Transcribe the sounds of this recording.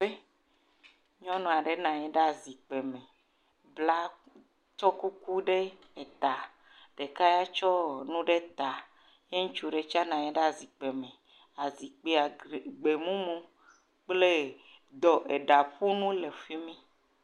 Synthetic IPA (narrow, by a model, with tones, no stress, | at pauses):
e˦ | ɲɔ̃˦nɔ̃˨a˨ɖe˨nã˨ɲẽ˦ɖa˨zi˨k͡pe˨mẽ˨ | bla˦ | t͡ʃɔ˦ku˦ku˦ɖe˦ | e˨t̪a˨ | ɖ̥e˨ka˦ja˦t͡ʃɔ˦nũ˦ɖe˦t̪a˨ | je˦ŋũ˦t͡ʃu˦ɖe˨t͡ʃa˦nã˨ɲẽ˦ɖe˦a˦˨zi˨k͡pe˨mẽ˨ | a˨zi˨k͡pe˦a˨ɡ͡be˨mũ˦mũ˦ | k͡ple˦ | d̪ɔ˨ʔe˨ɖa˨ɸu˦nũ˦le˨fi˦mĩ˦